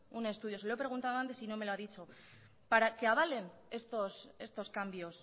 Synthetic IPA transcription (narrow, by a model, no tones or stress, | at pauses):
unest̪uðjo̞seloepɾe̞ɣ̞unt̪aðo̞ant̪e̞sino̞me̞loaðit͡ʃo̞ | paɾake̞aβ̞ale̞ne̞st̪o̞se̞st̪o̞skambjo̞s